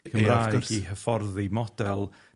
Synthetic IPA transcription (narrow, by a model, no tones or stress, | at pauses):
kʰəmrḁiːɦəfɔrðimɔd̥ɛlˠ